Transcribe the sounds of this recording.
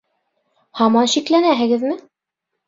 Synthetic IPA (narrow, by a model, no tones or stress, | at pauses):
hɑmɑnɕiklænæɦɘ̆ɡɘ̆ðmɘ